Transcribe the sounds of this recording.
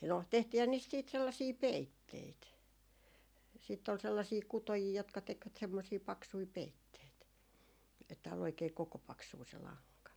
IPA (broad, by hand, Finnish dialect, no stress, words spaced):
no tehtiːhæn niːst siːt selːɑsiː peitːeit siˑtː ol selːɑsiː kutojiː jotkɑ tekʋæt semːosiː pɑksui peitːeit etːæ ol oikeː kokopɑksuː se lɑŋkɑ